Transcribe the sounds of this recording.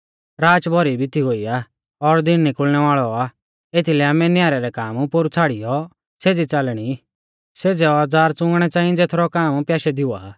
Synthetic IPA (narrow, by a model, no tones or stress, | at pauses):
ɾaːt͡ʃbʱɔɾibʱɪt̪ʰiɦoːia | ɔɾd̪ɪnːikʊlñɛʋaːɭɔa | et̪ʰilɛaːmɛnjaːɾɛɾɛkaːmupʊɾut͡sʰaːɽijɔ | seːd͡zit͡salɽ̃i | seːd͡zɛɔd͡zaːɾt͡sʊ̃ŋɡɽ̃ɛt͡saːĩd͡zet̪ʰɾɔkaːmpjaːʃɛd̪ɪua̰ː